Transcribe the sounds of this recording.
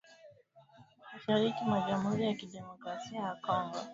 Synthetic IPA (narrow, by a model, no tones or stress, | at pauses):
muʃaɾikimwaʄam̩huɾijakiɗɛmɔkɾasiajakɔŋɡɔ̰